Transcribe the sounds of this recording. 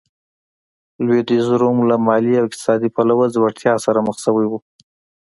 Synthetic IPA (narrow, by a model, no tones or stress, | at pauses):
lwed̪izɾomlamɑliawɪq̚t̪ɪ̥sɑd̪ipalawazwaʈt̪jɑsaɾaməxsəwajwu